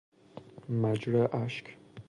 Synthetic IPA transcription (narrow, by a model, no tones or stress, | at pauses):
mad͡ʒɾaʔaʃk